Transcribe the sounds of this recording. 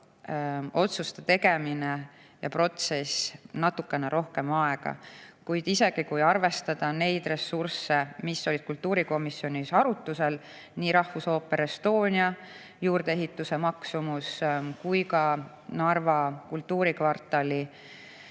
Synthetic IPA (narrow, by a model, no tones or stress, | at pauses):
o̞t̪sust̪et̪e̞ɡe̞mine | jɑpro̞t̪se̞snɑt̪ːukːe̞neɾʔo̞hke̞mɑe̞ɡ̥ɑ̰kujd̪̥ise̞ɡ̥ikujɑrve̞st̪ɑd̪̥ɑne̞jd̪̥re̞sursːe̞misːo̞lʲid̪̥̚kult̪ːuːɾiko̞misːjo̞nʲisɑɾut̪ˑːuse̞l | niːɾɑhfuso̞ːpːe̞ɾest̪o̞ːnʲiɑ | juːɾd̪̥ee̞ɦit̪ːˑuse̞mɑksumuskujkɑ | nɑrvɑkult̪ːuːɾikvɑrt̪ːˑɑlʲi